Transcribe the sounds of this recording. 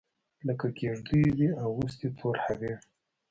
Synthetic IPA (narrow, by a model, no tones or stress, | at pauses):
ləkaɡeʐd̪ujwiawɾus̬t̪et̪ʰoɾhawe